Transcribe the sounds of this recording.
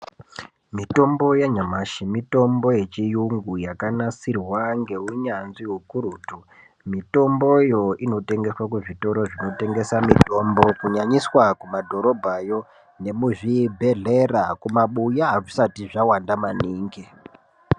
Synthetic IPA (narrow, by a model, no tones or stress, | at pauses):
mito̞mbo̞jaɲamaʃimito̞mbo̞je̞t͡ʃijuŋɡujakanasirwaŋɡe̞uɲanziɦukuɾuːtu | mito̞mbo̞jo̞ino̞te̞ŋɡe̞swakuʐito̞ɾo̞ʐino̞te̞ŋɡe̞samito̞mbo̞kuɲaɲiswakumadʱo̞ɾo̞bʱajo̞ | ne̞muʐibʱe̞ɮerakumaɓujaʐisatiʐawandamaniːŋɡe